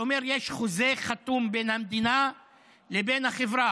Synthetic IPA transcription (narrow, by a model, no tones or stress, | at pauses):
omeʁjeʃχozeχat̪umbenhamd̪ina | lebenhaχevʁa